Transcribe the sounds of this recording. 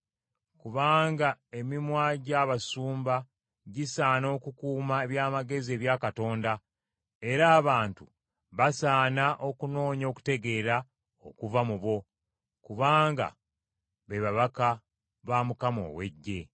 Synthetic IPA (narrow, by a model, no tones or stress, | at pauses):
kuβaːŋɡae̞mimwaːɟaβasuːmba | ɟisaːno̞ːkukuːmaeβjaːmaɡe̞zie̞ːβjaːkato̞ːnda | e̞ɾaːβaːntu | βasaːnaʔo̞kuno̞ːɲo̞ːku̥te̞ɡe̞ːɾa | o̞kuvamuβo̞ | kuβaːŋɡa̰ | βeβaβaka | βaːmukamo̞̰ːwe̞̰ɟːe̞